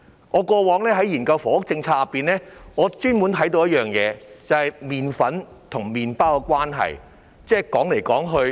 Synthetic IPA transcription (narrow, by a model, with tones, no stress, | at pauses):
ŋɔː˨˧kɔː˧wɔː˨˥ŋlɛː˥ɦɐ˨˥jiː˨˩nkɐ˧wfɔː˨˥ʊ˥k̚t͡sɪ˧ŋt͡sʰaː˧jɐ˨pːiː˨nlɛː˥ŋɔː˨˧t͡ʃyː˥nwu˨˥nt̪ʰɐ˨˥jt̪o˧wjɐ˥t̚jœː˨ŋjɛ̰ː˨˧t͡sɐ˨˧whɐ˨jmiː˨nfɐ˨˥n | t̪ʰʊ˨˩ŋmiː˨npaː˥wkɛ˧kʷwaː˥nɦɐ̰˨j | t͡sɛː˥˩kɔː˨˥ŋle˨˩jkɔː˨˥ŋɦɵ˧